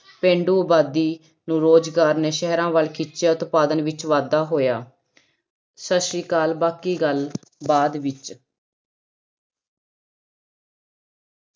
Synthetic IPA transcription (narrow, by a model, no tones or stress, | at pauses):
pẽːɳɖuːbaːd̪iː | nũːɾoːd͡ʒɡaːɾneːʃɛɦɾãːʋəlkʰɪt͡ʃeːʊt̪paːd̪ənʋɪt͡ʃʋaːd̪aːɦoːjaː | səʃiːkaːlbaːkiːɡəl | baːd̪ʋɪt͡ʃ